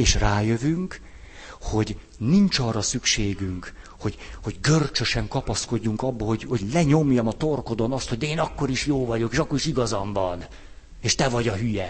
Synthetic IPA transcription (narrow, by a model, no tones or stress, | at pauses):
eːʃraːjøvyŋk | ho̞ɟ | nint͡ʃɒrːɒsykʃeːɡyŋkho̞ɟho̞ɟɡørt͡ʃøʃɛŋkɒpɒsko̞ɟːuŋkɒbːɒho̞ɟho̞ɟlɛɲo̞mjɒmɒt̪o̞rko̞d̪onɒst̪ho̞ɟd̪ɛeːnɒkːo̞ɾiʃjoːvɒɟo̞keːʃɒkːo̞ɾiʃiɡɒzɒɱvɒn | eːʃt̪ɛvɒɟɒɦyjɛ